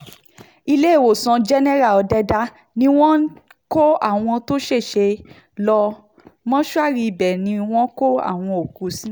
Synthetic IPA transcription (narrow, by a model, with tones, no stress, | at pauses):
i˧le˦e˦˨wo˨sã˧d͡ʒɛ˦nɛ˦ɾa˦˨ɔ˨˧dɛ˧da˦ | nĩ˦w̃ɔ̃˦ko˦a̰˦˨w̃ɔ̃˧to˦ʃe˦˨ʃe˧ | lɔ˧ | mɔ̃˦ʃu˦a˦˨ɾi˧˨bɛ˨nĩ˧˦w̃ɔ̃˦ko˦a̰˦˨w̃ɔ̃˧o˨ku˨˦sĩ˦˨